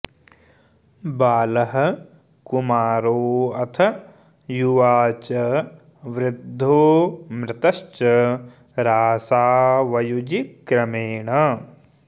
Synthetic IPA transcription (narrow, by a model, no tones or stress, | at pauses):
baːlɐɦɐ̆ | kumaːɾoːɐt̪ʰɐ | juʋaːt͡ʃɐ | ʋɾɪd̪ʱːoːmɾɪt̪ɐst͡ʃɐ | ɾaːsaːʋɐjud͡ʒikɾɐmeːɳɐ